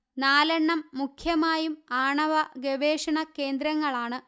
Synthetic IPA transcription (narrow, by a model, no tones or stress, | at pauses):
naːlɐɳːɐmːukʰjɐmaːjumaːɳɐʋɐɡɐʋeːʂɐɳɐke̞ːnd̪ɾɐŋːɐɭaːɳɨ